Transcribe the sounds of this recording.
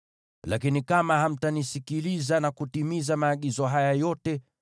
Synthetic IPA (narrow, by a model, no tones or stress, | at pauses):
lakinikamaɦam̩tanisikilizanakutimizamaːɠizɔɦajajɔtɛ